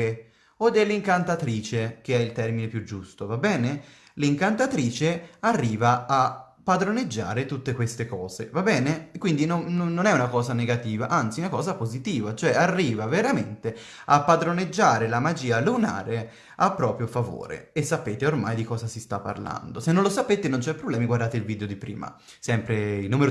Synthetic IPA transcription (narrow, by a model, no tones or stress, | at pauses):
e | od̪ːelːiŋkant̪at̪ɾiːt͡ʃek̟eɛilt̪ɛrminepjud͡ʒːust̪ovabɛːne | liŋkant̪at̪ɾiːt͡ʃearːiːvaa | pːad̪ɾoned͡ʒːa̰ːɾet̪ut̪ːekwest̪ekɔːzḛvabɛːnekwind̪inonnnːonɛunakɔːzaneɡat̪iːvaʔant̪siunakɔːzapozit̪iːvat͡ʃoɛarːiːvaveɾament̪e | apːad̪ɾoned͡ʒːaːɾelamad͡ʒiːaluna̰ːɾe | apːɾɔːpɾjofavo̰ːɾḛesːapeːt̪eorma̰jd̪ikɔːzasist̪apːa̰rla̰nd̪osenːõnlosapeːt̪enont͡ʃɛpːɾoblɛːmiɡward̪aːt̪eilviːd̪eod̪ipɾḭːma̰ | sɛmpɾeilnuːmeɾo